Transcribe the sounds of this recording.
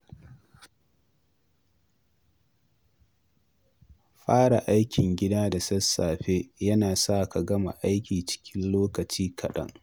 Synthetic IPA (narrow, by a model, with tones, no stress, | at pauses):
ɸaː˦ɽa˨ʔa˦jkʲɪ˨ŋɡʲɪ˦daː˦da˨sɐ˦sːaː˨ɸe˦jɐ˦naː˨saː˦˨ka˨ɡɐ˦ma̰˨ʔa˦jkʲiː˨t͡ʃɪ̥˦kʲɪ˦nloː˦kɐ˨t͡ʃiː˦kʰɐ˨ɗɐ̰˦ŋ